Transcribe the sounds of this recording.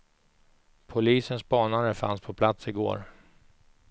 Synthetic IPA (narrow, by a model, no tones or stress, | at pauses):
pʰʊliːsənsbɑːnaɾəfa̰nspʰɔpʰlat̪sɪɡo̰ːɾ